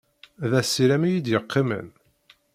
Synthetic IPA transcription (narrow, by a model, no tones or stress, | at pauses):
ðæsːiɾæmijid̪jəqʰːɪmə̰n